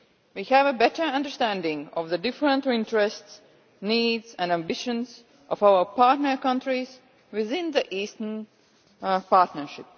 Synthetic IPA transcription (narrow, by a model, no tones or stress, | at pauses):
wihævəbɛtə˞ʌ̃ndə˞stæ̃ndɪ̃ŋɔvðədɪfɹə̃ntɪ̃ntəɹɛsts | niːdzɛ̃næ̃mbɪʃə̃nz | ʔɔvaʊə˞paɹtnə˞kʌ̃ntɹiz | wɪðɪ̃nðəʔiːstən | paɹtnəʃɪp̚